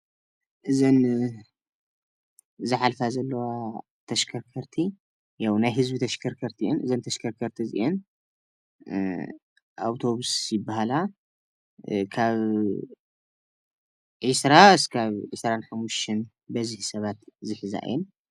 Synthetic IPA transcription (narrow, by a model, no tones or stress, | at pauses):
ʔɨzɐn | zɨħalfazɐlːɐwa | t̪ʰɐʃkʰɐɾkʰɐɾt̪ʰi | jawnajɦɨzbit̪ʰɐʃkʰɐɾkʰɐɾt̪ʰiʔɛnʔɨzɐnt̪ʰɐʃkʰɐɾkʰɐɾt̪ʰizɨ̰ʔɛn | ʔa̰wt̪ʰo̞βusjɪbːahala | kʰaβ | ʕisɾaskʰaβʕisɾanħamːuʃt̪in | bɐzihsɐβat̪zɨħɨza̰ʔɨ̰jɛn